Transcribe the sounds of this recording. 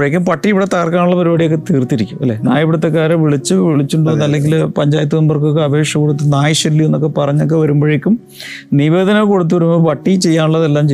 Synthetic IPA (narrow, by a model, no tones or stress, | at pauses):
jekʲːumpɐʈːiiʋiɽet̪aːrkaːnuɭːɐpɐɾubaːɽijokːet̪iːrt̪iɾikʲːumɐlːe̞ːnaːjɐbɽut̪ːɐkːaːɾɐʋiɭit͡ɕːɨʋiɭit͡ɕːuɳɖuʋɐnːɐlːe̞ŋɡilpɐɲd͡ʑaːjɐt̪ːuonbɐrkokːeɐbʱeːʂjɐkːoɽut̪̬ːunaːjɐʂɐlːienːo̞kːe̞pɐrɐɲːok̬ːeʋɐɾumboːɻekʲːum | niʋe̞ːd̪ɐnɐko̞ɽut̪ːuʋɐɾumopɐʈːit͡ɕe̞jːaːnuɭːɐðelːaːmt͡ɕe